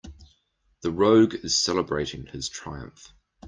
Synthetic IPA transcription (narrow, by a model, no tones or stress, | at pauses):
ðəɹəʊɡɪz̥sɛləbɹeɪtʰɪ̃ŋɪz̥tʰɹ̥aɪə̰̃ɱf